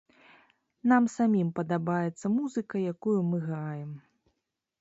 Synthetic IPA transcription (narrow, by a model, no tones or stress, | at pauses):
namsamʲimpɐd̪abajɛt̪sːɐmuzɨkɐjakujumɨɣɾajɛm